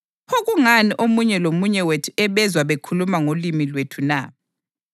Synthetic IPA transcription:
oɣuŋaniʔomuɲɛlomuɲɛwetʰu̥ɛβɛzwaβekʰulumaŋolimilwetʰuna

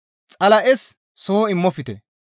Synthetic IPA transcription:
t͡sʼɐlɐʔɛs | sɔhɔɪmːɔfɪt̪ɛ̰

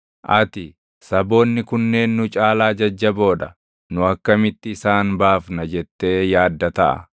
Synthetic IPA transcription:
ʔɐt̪ɪ | sɐbo̞ːnːɪkʊnːe̞ːnːʊt͡ʃʼaːlaːd͡ʒɐd͡ʒːɐbo̞ːᶑɐ | nʊɐkːɐmɪt̪ːɪːsaːnbaːfnɐd͡ʒɛt̪ːe̞ːjaːd̪ːɐt̪ɐʔɐ̰

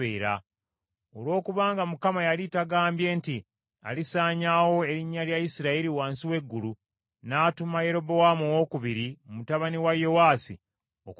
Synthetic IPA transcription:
eːɾa̰ | o̞lwo̞ːkuβaːŋɡamukamajalitaɡaːmbje̞ːnti | a̰lisaːɲaːwo̞e̞ɾiɲːaljajisiɾaiɾiwaːnsiwe̞ɡːulu | naːtumaje̞ɾo̞bo̞wamowo̞ːkuβiɾiomutaβaniwajo̞waːsḭ | ok

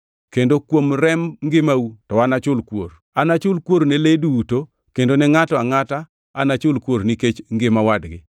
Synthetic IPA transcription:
kendokwomɾɛmŋɡɪmawutɔanat͡ʃʊlkwo̰ɾ | anat͡ʃʊlkwoɾneleduːto | kendonɛŋatɔaŋata | anat͡ʃʊlkwoɾniket͡ʃŋɡɪmawadɡɪ

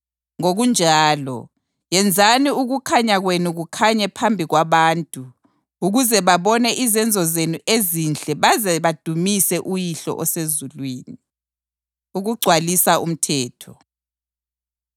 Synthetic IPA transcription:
ŋoɣund͡ʒʱaːlɔ̰ | jɛnd͡zʱaniuɣukʰaɲaɣwenuɣukʰaɲɛpʰambʱiɣwaβaːntʼu | uɣuzɛβaβɔnɛʔizɛnd͡zʱɔzenuʔezind͡ɮʱɛβazɛβad̥ʱumisɛʔujiɬɔ̰ʔɔsezulwiːni | uɣuɡ͡ǀʱwalisaṵm̩tʰɛːtʰɔ

